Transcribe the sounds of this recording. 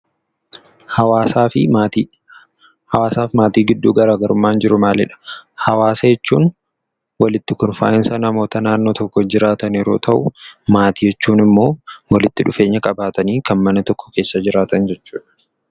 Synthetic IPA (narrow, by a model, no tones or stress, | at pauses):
hɐwaːsaːfɪti | hɐwaːsaːfmaːt̪iːɡɪd̪ːuːɡɐɾaːɡɐɾʊmːaːnd͡ʒɪɾʊmaːlɪ̰ᶑɐ̥hɐwaːsɐjɛt͡ʃːuːn | wɐlɪt̪ːɪkɔnfa̰ːjɐnsɐnɐmo̞ːt̪ɐnaːnːoːt̪ɔkːɔd͡ʒɪɾaːt̪ɐniɾo̞ːt̪ʰɐʔʊmaːt̪iːjɛt͡ʃːuːnɪmːo̞ːwɐlɪt̪ːɪᶑʊfe̞ːɲːɐkʼɐbaːt̪ɐniːkɐnmɐnɐt̪ɔkːɔ̥ke̞ːsːɐd͡ʒɪɾaːt̪ɐnd͡ʒɛt͡ʃːuːᶑɐ̥